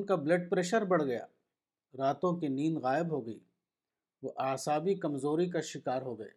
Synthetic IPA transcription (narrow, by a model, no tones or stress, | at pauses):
nkableːɖ̚pɾɛːʃəɾbɐɽ̤ɡɐja̰ː | ɾaːt̪õkiniːnɣaːɪbɦoːɡɐiː | ʋoʔaːsaːbikɐmzoːɾik̬aʃɪkaːɾɦoːɡɐḛː